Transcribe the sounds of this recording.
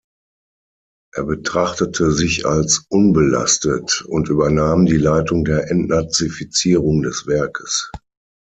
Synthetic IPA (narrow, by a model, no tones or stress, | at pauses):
ʔeːɐbətʁ̥aχtətʰəzɪçalsʔʊnbəla̰stətʊntʔyːbɐnaːmdiːlaɪtʊŋdeːɐʔɛntnat͡sifit͡siːʁʊŋdɛsv̥ɛɐkʰəs